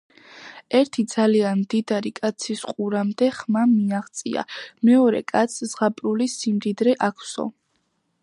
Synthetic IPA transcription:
ɛɾt̪ʰid̪z̥alianmd̪id̪aɾikʼat̪sʰisqʼuɾamd̪ɛχmamiaʁt̪sʼḭa̰mɛɔɾɛ̰kʼat̪sʰz̥ʁapʼɾulisimd̪id̪ɾɛʔakʰsɔ̰

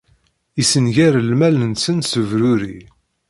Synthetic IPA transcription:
isənʝæɾəlmælənsənsəvɾʊɾi

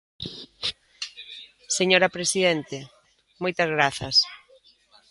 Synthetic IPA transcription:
seɲoɾapɾesiðent̪e | mojt̪ɐzɣɾaθɐs

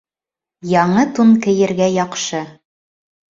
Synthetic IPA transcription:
jɑɴɤt̪unkɘ̆jɘ̆ɾɡæjɑqʃɤ

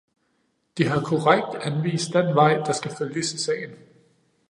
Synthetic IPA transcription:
d̥iɦɑ̈kʰoʁaɡ̥̚d̥ænʋḭːsd̥enʋɑ̈ɪ̰d̥ɑ̈sɡ̥æføljəsisɛ̰ɪn̩

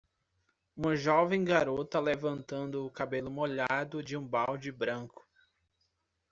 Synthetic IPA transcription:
ũmɐʒɔvẽj̃ɡaɾot̪ɐlevɐ̃nt̪ɐ̃nd̪ʊʊkabelʊmoʎad̪ʊd͡ʒɪũbawd͡ʒɪbɾɐ̃ŋkʊ̥

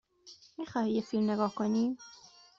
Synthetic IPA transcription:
mixɒːhijefiːlmneɡɒːhkʰoniːm

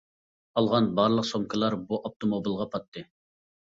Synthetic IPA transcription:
ɑlˠʁɑnbɑɾlˠəqsomkʰəlˠɑɾbuʔɑp̚t̪ʰomobilˠʁɑpʰɑt̪ʰːɨ

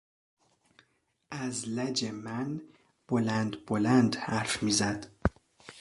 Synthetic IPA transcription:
ʔæzlæd͡ʒemæn | b̥olænd̪bolænd̪hæɾfmiːzæd̪̥

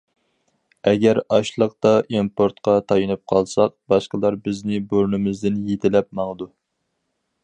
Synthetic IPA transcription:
ɛɡʲɛɾɑʃlˠəq̚t̪ɑʔimpoɾt̪qʰɑt̪ʰɑjɨnɨp̚qʰɑlˠsɑqbɑʃqəlˠɑɾbɪznɪboɾnɪmɪzd̪ɪnjet̪ʰɪlɛp̚mɑŋəd̪u

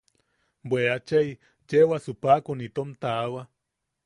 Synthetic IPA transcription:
bweat͡ʃej | t͡ʃewasupakunit̪omt̪aːwa

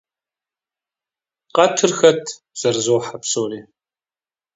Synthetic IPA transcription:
qɐtʰɨrxɐtʰ | z̥ɐrzoːħapsoːriː

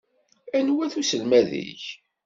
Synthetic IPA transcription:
ænwæθusəlmæðḭç

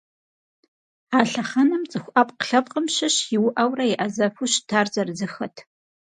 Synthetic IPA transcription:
aːɬɐχɐnɐmt͡sʼɨxʷʔapqɬɐp̚ʼqʼəmɕɪɕjɪwʊʔɐwrɐɪʔɐzɐfuɕtʰaːrzɐrzɨxɐtʰ

